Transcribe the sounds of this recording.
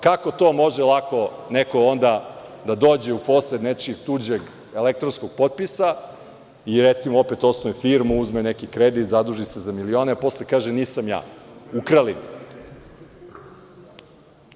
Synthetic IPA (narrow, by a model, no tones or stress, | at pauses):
kako̞t̪oːmo̞ʒelˠako̞neko̞ond̪ad̪ad̪oːd͡ʑe̞upo̞ːsled̪net͡ʃiɡt̪ud͡ʑeɡ | elek̚t̪ɾonsko̞ɡ̥̚po̞t̪̚pisa | iɾet̪simoopet̪o̞snoʋefiɾmuuzmenekikɾed̪it̪zad̪uʒisezamilio̞ːnepo̞slekaːʒeniːsamja̰ːukɾalin